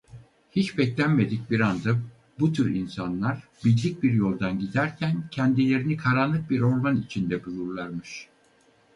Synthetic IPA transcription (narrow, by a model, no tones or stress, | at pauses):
hit͡ʃbɛclʲænme̞d̪ic̚biɾand̪a | but̪ʰyɾinsanlˠaɾbizlʲic̚biɾjo̞lˠd̪anɟid̪æɾcʰæncʰɛnd̪ilʲe̞ɾinikʰaɾanlˠɯk̚biɾo̞ɾmanit͡ʃʰind̪ɛbujuɾlˠaɾmɯʃ